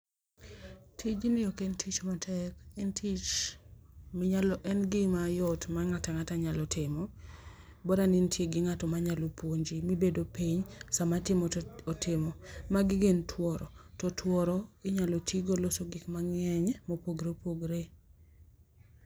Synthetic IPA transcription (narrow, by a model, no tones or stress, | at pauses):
tʰid͡ʒnɪɔkentʰit͡ʃmatʰɛkɪntʰit͡ʃ | mɪɲalɔʔɛnɡɪmajɔtmaŋataŋataɲalɔtɪmɔ | bɔɾanintʰjeɡɪŋatɔmaɲalopwoɲd͡ʒimibedopiɲsamatɪmɔɔtɪmɔmaɡɪɡentʰwɔɾɔtɔtʰwɔɾɔɪɲalɔtʰiɡolosoɡɪkmaŋɛɲmopoɡɾepoɡɾe